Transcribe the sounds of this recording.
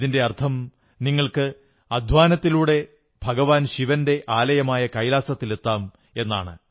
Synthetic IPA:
ðinde̞ɐrt̪ʰɐm | niŋːɐɭkɨ | ɐd̪ʱʋaːnɐt̪ːiluːɽe̞ | bʱɐɡɐʋaːnɕiʋɐnde̞ʔaːlɐjɐmaːjɐkɐjlaːsɐt̪ːile̞t̪ːaːm | e̞nːa̰ːɳɨ

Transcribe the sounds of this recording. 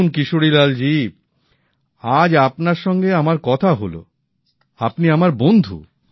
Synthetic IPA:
nkiʃoɽilald͡ʑi | ad͡ʑapnaɾʃɔŋɡeamaɾkɔt̪ʰaɦolo̰ | apniamaɾbond̪ʱṵ

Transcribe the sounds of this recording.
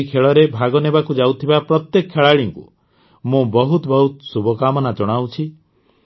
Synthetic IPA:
kʰeɭɔɾebʱaɡɔnebakud͡ʒawt̪ʰibapɾɔt̪jekɔkʰːeɭaɭiŋkṵ | mõbɔɦut̪ɔbɔɦut̪subʱɔkamɔnad͡ʒɔɽ̃awt͡ʃʰi

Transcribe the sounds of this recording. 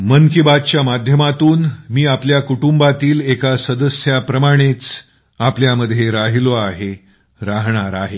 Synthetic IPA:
mənkibad̪̚t͡ɕjamad̪ʱjəmat̪uːnmiːapljakuʈumbat̪iːlekasəd̪əsjapɾəmaɽ̃et͡s | apljaməd̪ʱːjeɾaɦiloaɦe | ɾaɦɳ̃aɾaɦe

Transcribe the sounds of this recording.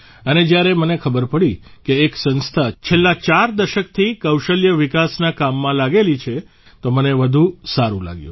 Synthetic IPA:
əned͡ʒjaɾemənekʰəbəɾpəɽikeːksə̃nst̪ʰat͡ʃʰelːat͡ʃaɾd̪əʃək̚t̪ʰikəwʃəljəʋɪkasnakamːãlaɡelit͡ʃʰe | t̪oməneʋəd̪ʱũsaɾṵ̃la̰ɡjṵ̃

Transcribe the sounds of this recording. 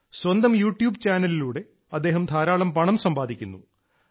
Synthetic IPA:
swɐnd̪ɐmjuːʈjuːbt͡ɕaːnɐliluːɽe̞ | ɐd̪ːe̞ːɦɐmd̪ʰʱaːɾaːɭɐmpɐɳɐmsɐmbaːd̪ikʲːṵnːṵ

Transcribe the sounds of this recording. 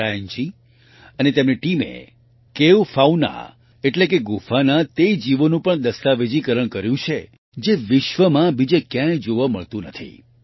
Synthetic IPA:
ajɲt͡ʃi | ənet̪emniʈimḛ | keʋfauna̰ | eʈlekeɡufanat̪ed͡ʒiʋonũpəɳd̪əst̪aʋed͡ʒikəɾəɳkəɾjũt͡ʃʰe | d͡ʒeʋɪʃʋəmãbid͡ʒekjãjd͡ʒoʋamə̰ɭt̪ũnət̪ʰḭ

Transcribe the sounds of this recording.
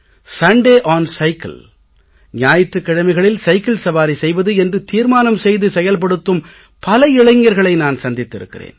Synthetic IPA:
sɐɳɖeːʔaːnsɐɪkɐ̰l | ɲaːjɪʈrɯkːɪɽɐmɐɪɣɐɭɪlsɐɪkɪlsɐbaːɾisɛjʋɐðɯɛndrɯt̪iːɾmaːnɐmsɛjðɯsɛjɐlp̬ɐɽɯt̪ːɯm | pɐlɐɪɭɐɪŋːɐɾɣɐɭɐɪnaːnsɐnd̪ɪt̪ːɪɾɯ̰kːɪ̰rḛːn

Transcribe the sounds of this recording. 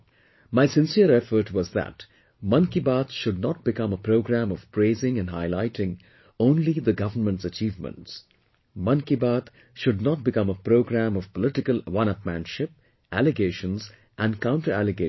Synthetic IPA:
maɪsɪ̃nsiəɾɛfə˞ʈwɔzðæ̰t | mʌ̃nkibat̪ʃʊd̚nɔt̚bɨkʌ̃məpɾoɡɾæ̃mɔv̥pʰɾeɪzɪ̃ŋɨ̃nɦaɪlaɪʈɪ̃ŋ | õːnliðəɡʌvənmə̃nʈsət͡ʃiːvmə̰̃nts | mʌ̃nkibat̪ | ʃʊd̚nɑt̚bɪkʌ̃məpɾoʊɡɾæ̃mɔv̥pəlɪʈɪkəlwʌ̃nʌpmæ̰̃nʃɪp̚ | ʔælɨɡeɪʃə̃nz | ʔæ̃nkãʊ̃nʈə˞ælɨɡe

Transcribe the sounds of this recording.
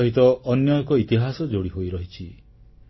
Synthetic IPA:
ɦit̪ɔɔnjɔkɔit̪iɦasɔd͡ʒoɽiɦojɾɔɦit͡ʃʰi

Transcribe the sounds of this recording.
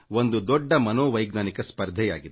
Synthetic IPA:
ond̪ud̪ɔɖːɐmɐnoːʋɐjɡnaːnikɐspɐɾd̪ʱɛjaːɡid̪e

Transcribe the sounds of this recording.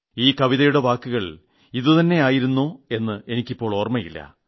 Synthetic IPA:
iːkɐʋiðɐjuɽe̞ʋaːkːuɣɐɭ | iðɨt̪ɐnːe̞aːjiɾunːoːe̞nːɨʔe̞nikʲːipːo̞ːɭo̞ːrmɐjilːɐ̰

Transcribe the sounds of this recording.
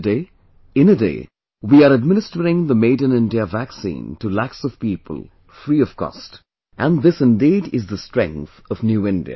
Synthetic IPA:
de | ɪ̃nədḛː | wiəɾəd̚mɪ̃nɪstəɾɪ̃ŋðəmeɪd̃ⁿn̩ɪ̃ndiəvæksḭ̃ːntəlæksʌv̥piːpʰə̰l̩ˠ | fɾiʌv̥kɔ̰st | ʔæ̃nðɪsɪ̃ndiːdɪzðəstɹ̥ɛ̰̃ŋk̚θʌvnjuɪ̃ndḭɨ̰

